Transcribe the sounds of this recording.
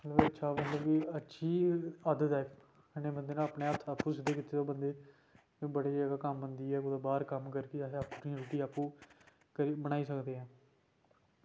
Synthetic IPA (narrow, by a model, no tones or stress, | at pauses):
mət̪ləbətːʃʰaːmət̪ləbʋiətːʃʰiːad̪ət̪ɛː | əneːbənd̪eːnãːəːpɳeːaːpt̪ʰaːpːũːsɪd̪eːkɪt̪ːeːt̪oːbənd̪eː | iːbəɽeːd͡ʒaːɡaːkəmbənd̪iːɛːʊd̪abaːɾkəmkəɾkeɦeaːpːɾuːɾʈiːaːpũː | kəɾiːbəɽ̃aːiːsəkd̪eːɦɛ̃ː